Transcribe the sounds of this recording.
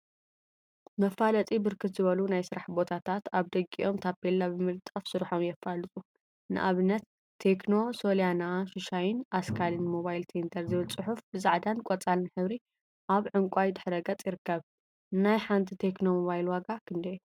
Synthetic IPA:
mɐfːalɐt̪ʼibɨɾkʰɨt̪zɨβɐlunajsɨɾaħbo̞t̪ʰat̪ʰat̪aβd̪ɐkʼːiʔo̞mt̪ʰabelːabɨmɨlt̪ʼːɐfsɨɾħo̞mjɛfːalɨt̪ʼu | nɨ̰ʔaβɨnːɐt̪ʰː | e̞kno̞so̞ljanaʃɨʃajɪnʔaskʰalɨnmoβajlt̪ʰent̪ʰɐɾzɨβɨlt͡sʼɨħufbɨzaʕd̪ankʼɔt͡sʼalɨnħɨβɾi | ʔaβʕɨŋkʷʼajd̪ɨħɾɐɡɐt͡sʼjɪɾɨkːɐβ | najħant̪ʰit̪ʰe̞kno̞moβajlwaɡakʰɨnd̪ɐj

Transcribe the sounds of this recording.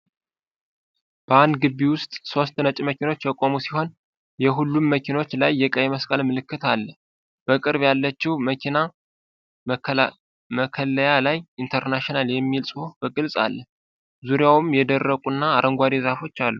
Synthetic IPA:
b̥əand̪ɡɨbːiwʊst̪ʼso̞st̪nət͡ʃʼməkʰino̞t͡ʃːjɛkʼo̞musiho̞n | jɛɦulːumːəkʰino̞t͡ʃːlajːɛkʼəjɛməskʼalmɨlɨkːɨt̪ʰalːə | b̥əkʼɨɾβjalːət͡ʃːɛwməkʰina | məkʰəlːəjalajint̪ʰəɾnaʃionaljɛmːilsʼo̞bəɡʼɨlsʼa̰lːə | zuɾijawɨmjɛd̪ərːəkʼunːaːɾəŋɡʷad̪izafo̞t͡ʃːalːu

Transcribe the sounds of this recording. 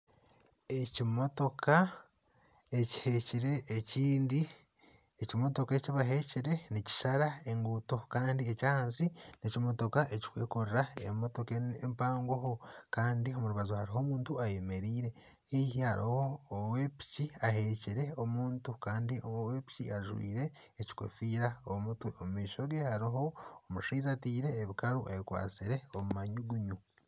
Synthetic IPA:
e̞cimo̞to̞kʰa | e̞ci̥heciɾe̞ːciːndi | ecimo̞to̞keciβaɦe̞ciɾe̞nici̥ʃaɾae̞ŋɡuːto̞kaːndiecaːhaːnsinecimo̞to̞kaʔeci̥kwḛːkoɾiɾaḛmo̞to̞keḛmpaːŋɡoɦokaːndio̞muɾuβazohaɾiɦo̞ːmuːntuaje̞me̞ɾiːɾe̞ | hihiha̰ɾʔḭho̞ːwepi̥ciaɦe̞ciɾe̞o̞muːntukaːndiomuwepi̥ciaʒwḭːɾe̞ː | ci̥kwḛfiːɾaomutuomumiːʃo̞ɡe̞haɾiɦo̞ːmuʃiːzatiːɾe̞ːβikaɾuʔejikwa̰ːt͡siɾe̞omumaɲuɡuɲu

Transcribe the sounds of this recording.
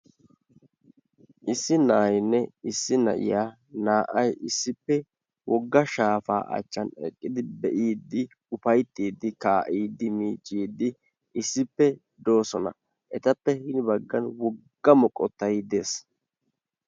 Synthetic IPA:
ʔɪsːɪnaːjɪnːɛɪsːɪnɐ̰ʔɪ̰jaː | naːʔɐjɪsːɪpːɛ | wɔɡːɐʃaːfa̰ːʔɐ̰t͡ʃːɐnɛ̰kʼːɪd̪ɪbɛʔiːd̪ːɪ | ʊfɐjt̪ːiːd̪ːɪkaːʔiːd̪ːɪmiːt͡ʃʼːiːd̪ːɪ | ɪsːɪpːɛ | d̪o̞ːsɔnɐ̰ | ʔɛt̪ɐpːɛhɪnbɐɡːɐnwɔɡɡ̥ːɐmɔkʼɔt̪ːɐjd̪e̞ːs

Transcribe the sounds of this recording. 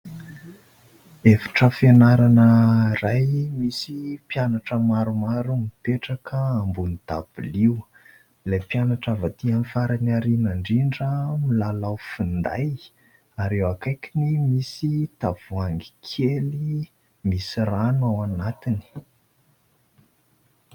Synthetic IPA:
efḁʈ͡ʂəfenaɾanərajmisipjanaʈ͡ʂəmaɾumaɾumipeʈ͡ʂakəambunid̪̥a̰b̥uliw | lepjanaʈ͡ʂavat̪ianifaɾanaɾinaɳɖ͡ʐiɳɖ͡ʐəmilalawfind̪aj | aɾewakajkʲinimisit̪av̥uaŋɡi̥kʰeli | misiranuawanat̪ini̥

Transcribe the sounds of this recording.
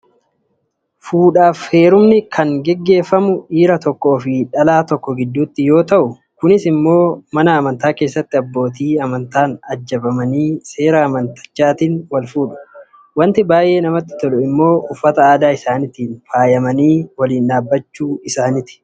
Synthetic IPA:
fuːᶑaːfhe̞ːɾʊmnɪkʰɐŋɡɛɡːe̞ːfːɐmʊiːɾɐt̪ɔkːɔːfɪᶑɐlaːt̪ɔkːɔɡɪd̪ːuːt̪ːɪjo̞ːt̪ɐʔʊ | kʊnɪsɪmːo̞ːmɐnɐːmɐnt̪aːke̞ːsːɐt̪ːɪɐbːo̞ːt̪iːɐmɐnt̪aːnɐd͡ʒːɐbɐmɐniːse̞ːɾɐːmɐnt̪ɐ̥t͡ʃːaːt̪iːnwɐlfuːᶑʊ̥ | wɐnt̪ɪbaːjʔe̞ːnɐmɐt̪ːɪ̥t̪ɔᶑʊɪmːo̞ːʊfːɐt̪ɐaːd̪aːɪsaːnɪt̪iːnfaːjɐmɐniːwɐliːnᶑaːbːɐt͡ʃːuːɪsaːnɪt̪ɪ̥

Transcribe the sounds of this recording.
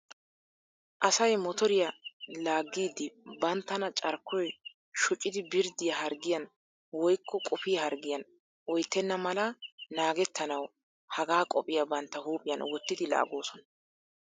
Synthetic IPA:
ʔɐsɐjmɔt̪ɔɾɪjɐlaːɡːiːd̪ɪbɐnt̪ːɐnɐt͡ʃʼɐɾkːɔj | ʃʊt͡ʃʼːɪd̪ɪbɪɾd̪ɪjɐhɐɾɡɪjɐn | wɔjkʰːɔkʼʊfɪjɐhɐɾɡɪjɐn | ɔjt̪ːɛnːɐmɐlɐnaːɡɛt̪ːɐnɐw | hɐɡaːkʼɔpʼɪjɐbɐnt̪ːɐhuːpʼɪjɐnwɔt̪ːɪd̪ɪla̰ːɡoːsɔnɐ

